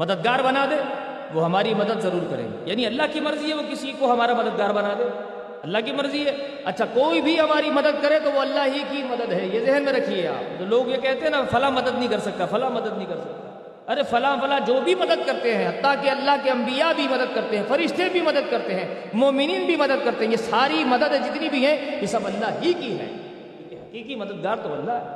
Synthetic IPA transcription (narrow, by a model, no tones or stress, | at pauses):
mɐd̪əd̪̚ɡaːɾbɐnaːd̪ẽː | ʋoɦɐmaːɾimɐd̪əd̪zɐɾuːɾkɐɾḛ̃ːɡejaːniɐlːaɦkimɐɾziɦɛʋokɪsikoɦɐmaːɾamɐd̪əd̪̚ɡaːɾbɐnaːd̪eː | ɐlːaɦkimɐɾziɦɛː | ɐ̰tːʃʰakoːibʱiɦɐmaːɾimɐd̪əd̪̚kɐɾẽt̪oʋoɐlːaɦɦikimɐd̪əd̪ɦɛjezɪɦənmẽɾɐkʰiea̰ːpd͡ʒoːloːɡjekɛɦt̪eɦɛ̃nafɐlamɐd̪əd̪nɐɦĩkɐɾsɐk̚t̪afɐlamɐd̪əd̪nəɐɦĩkɐɾsɐk̚t̪a | ɐɾefɐlaɦfɐlad͡ʒoːbʱimɐd̪əd̪̚kɐɾt̪eɦɛ̃ɦɐt̪ːakeɐlːaɦkeɐ̃mbijabʱimɐd̪əd̪̚kɐɾt̪eɦɛ̃ːfɐɾɪʃt̪ʰebʱimɐd̪əd̪̚kɐɾt̪eɦɛ̃ː | moːmɪniːnbʱimɐd̪əd̪̚kɐɾt̪eɦɛ̃jesaːɾimɐd̪əd̪ɦɛ̃d͡ʒɪt̪nibʱiɦɛ̃jesɐbɐlːaɦɦikiɦɛ̰ː | jeɦɐkiːkimɐd̪əd̪̚ɡaːɾt̪obɐ̰nd̪aɦɛː